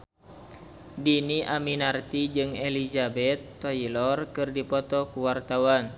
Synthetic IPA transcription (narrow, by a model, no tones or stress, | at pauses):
diniʔaminart̪id͡ʒɨŋelizabɛt̪ːɔilɔrkɨrdipɔt̪ɔkuwart̪awan